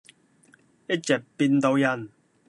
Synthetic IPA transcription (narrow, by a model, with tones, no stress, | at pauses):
jɐ˥t̚t͡ɕɛ˨˩p̚pːi˧nt̪o˧wjɐ˨˩n